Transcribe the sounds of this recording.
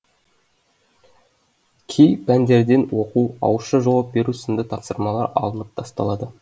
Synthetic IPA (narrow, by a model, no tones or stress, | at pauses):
kʲʰejpænd̪e̞ɾd̪e̞nwo̞quɑ̰wəʃəʒɑwɑp̚be̞ɾusənd̪ət̪ʰɑpsəɾmɑlˠɑɾɑ̰lˠənəp̚t̪ʰɑst̪ɑ̰lˠɑd̪ə